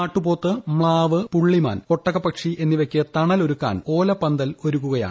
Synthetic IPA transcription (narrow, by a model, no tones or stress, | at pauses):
aːʈːupo̞ːt̪ːɨmɭaːʋɨpuɭːima̰ːnko̞ʈːɐɣɐpɐkʂiʔe̞nːiʋɐkʲːɨt̪ɐɳɐlo̞ɾukːa̰ːno̞ːlɐpːɐnd̪ɐlo̞ɾukːuɣɐja̰ː